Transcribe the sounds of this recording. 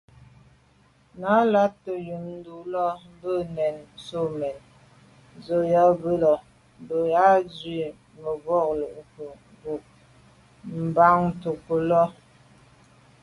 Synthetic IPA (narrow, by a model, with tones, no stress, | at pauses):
na˨˦la˦tːə˨ju˨nn̩˦du˨lɔ˦m̩˦bə˦˨nɛ˨nso˦˨mɛ˨n | zo˨˦ja˦bə˦lɔ˨ | m˨bə˨ja˦zɥi˦˨ | mə˨ɣɔ˦˨klo˨ʔpə˨ | bu˨ | m̩˨ba˦ŋ̩˦to˨kə˨lɔ˦